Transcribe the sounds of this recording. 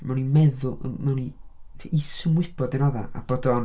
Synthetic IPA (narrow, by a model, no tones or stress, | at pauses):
mʔɛwnimɛðʊlˠmɛwniisʊmwɪb̥ɔdenɔða̰a̰b̥ɔdɔn